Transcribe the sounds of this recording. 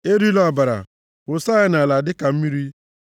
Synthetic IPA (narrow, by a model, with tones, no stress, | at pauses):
e˦ɾi˦lɔ˦a˨ba˨ɾa̰˨ | ʊ˨sa˦ɪ˦na˨la˨dɪ˦ka˨m̩˦mi˦ɾi˦